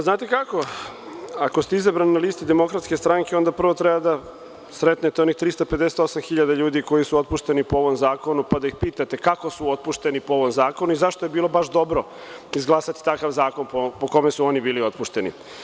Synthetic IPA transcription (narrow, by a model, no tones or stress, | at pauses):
aznaːt̪ekako̞ | ako̞st̪eizabɾaninalist̪id̪emo̞kɾat̪ske̞st̪ɾaŋke̞o̞nd̪apr̩ʋo̞t̪ɾebad̪a | sɾet̪net̪eo̞nixt̪ɾist̪ope̞d̪eset̪o̞samxiʎad̪aʎuːd̪iko̞jisuo̞t̪̚puʃt̪e̞nipoo̞ʋo̞mzaːko̞nupad̪aixpiːt̪at̪e̞kako̞suot̪̚puʃt̪e̞nipooʋo̞mzaːko̞nuizaʃt̪oje̞biːlˠo̞baʃd̪o̞bɾo̞ | izɡlˠaːsat̪i̥t̪akaʋzaːko̞npopoko̞mesuo̞nibiːlio̞t̪̚puʃt̪e̞nḭ